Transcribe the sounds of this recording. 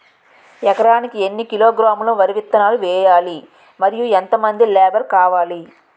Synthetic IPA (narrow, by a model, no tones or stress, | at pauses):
ɛkɐɾaːnikie̞nːikilo̞ːɡɾaːmulɐʋɐɾiʋit̪ːɐnaːluʋɛːjaːli | mɐɾijuent̪ɐmɐnd̪ilɛːbɐɾkaːʋaːli